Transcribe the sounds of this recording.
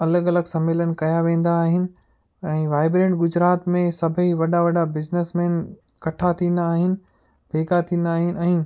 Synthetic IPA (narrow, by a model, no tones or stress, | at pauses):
ɐləɡɐləɡsɐmeːlənkɐjaʋẽːn̆d̪aːɦɪnɪ̆ | ɛ̃ːʋaːɪbɾẽːɳʈɡʊd͡ʑɾaːt̪mẽsɐbʱəiʋɐɗaʋɐɗabɪznesmɛːn | kɐʈʰat̪ʰĩːn̆d̪aːɦɪnɪ̆ | bʱeːɡat̪ʰĩːnd̪aːɦɪnɪ̆ɛ̃ː